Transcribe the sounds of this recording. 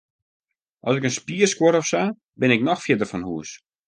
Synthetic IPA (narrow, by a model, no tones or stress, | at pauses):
ʔɔsɪkənspiəskwoɾɔfsa | bɪnɪknɔxfjɪdərfɔnhuəs